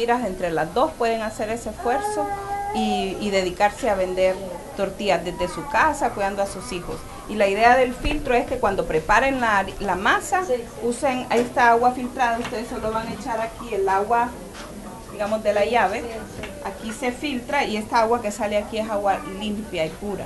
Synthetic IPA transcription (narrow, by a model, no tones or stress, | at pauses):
iɾase̞nt̪ɾe̞lazd̪o̞spwe̞ðe̞ŋase̞ɾe̞seesfwe̞ɾso̞iːðe̞ðikaɾse̞aβe̞nd̪e̞ɾt̪o̞ɾt̪iazd̪ezd̪e̞sukasakwiðand̪oasusixo̞̰s | ilaiðe̞aðe̞lfilt̪ɾoe̞ske̞kwand̪o̞pɾe̞paɾe̞ŋlalamasa | useŋest̪aaɣwafilt̪ɾaðaust̪e̞ðesoloβaŋaet͡ʃaɾakielaɣwa | d̪̥iɣamo̞zðe̞laʝaβe̞ | akise̞filt̪ɾaie̞st̪aaɣwake̞saleakiesaɣwalimpjaipuɾa̰